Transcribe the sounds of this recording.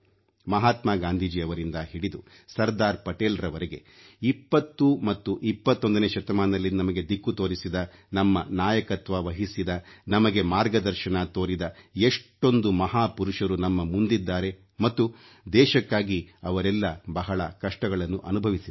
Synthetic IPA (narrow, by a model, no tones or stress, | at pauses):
mɐɦaːt̪maːɡaːnd̪ʱiːd͡ʒiɐʋɐɾind̪ɐɦiɽid̪u | sɐɾd̪aːɾpɐʈeːlɐɾɐʋɐɾeɡe̞ | ipːɐt̪ːumɐt̪ːuʔipːɐt̪ːo̞nd̪ɐneːʃɐt̪ɐmaːnɐlːinɐmɐɡe̞d̪ikːut̪oːɾisid̪ɐnɐmːɐnaːjɐkɐt̪ʋɐʋɐɦisid̪ɐnɐmɐɡe̞maːɾɡɐd̪ɐɾʃɐnat̪o̞ːɾid̪ɐeʂʈːo̞nd̪umɐɦaːpuɾuʂɐɾunɐmːɐmund̪id̪ːaːɾe̞ | mɐt̪ːu | d̪ɛːʃɐkːaːɡiɐʋɐɾɛlːɐbɐɦɐɭɐ̰kɐʂʈɐɡɐɭɐnːuʔɐnubʱɐʋisi